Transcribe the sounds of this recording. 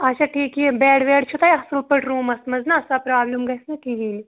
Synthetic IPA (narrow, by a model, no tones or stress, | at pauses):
ɐt͡ʃʰaʈʰiːkiebɛːɽʋeːɽt͡ʃʰut̪aːjɐsulpɐɽɾuːmɐsmɐznaɐsapɾaːblɐmɡɐsnɐkiɦiːni